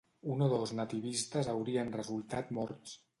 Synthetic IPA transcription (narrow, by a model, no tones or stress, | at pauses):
unoðoznət̪iβist̪əzəwɾiənrəzulˠt̪at̪mɔɾt̪s